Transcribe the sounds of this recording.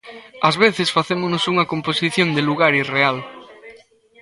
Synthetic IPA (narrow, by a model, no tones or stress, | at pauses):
ɐzβeθesfaθemonosuŋɐkomposiθjõnd̪eluɣ̞aɾireal